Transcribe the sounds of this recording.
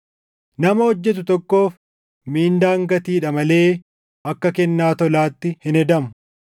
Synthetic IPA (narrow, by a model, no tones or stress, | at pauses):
nɐmɐhɔd͡ʒːɛt̪̬ʊt̪ɔkːo̞ːf | miːnd̪aːŋɡɐt̪iːᶑɐmɐle̞ː | ʔɐkːɐkɛnːaːt̪ɔlaːt̪ːɪhɪnɛd̪ɐmʊ